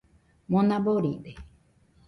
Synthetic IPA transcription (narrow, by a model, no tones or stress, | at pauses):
mõnãboɾibe